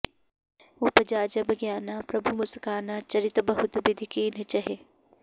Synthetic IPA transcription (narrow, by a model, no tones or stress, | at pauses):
upɐd͡ʒaːd͡ʒɐbʱɐɡjaːnaːpɾɐbʱumʊskaːnat͡ʃɐɾɪt̪bɐɦʊt̪bɪd̪ʱikiːnt͡ʃɐɦe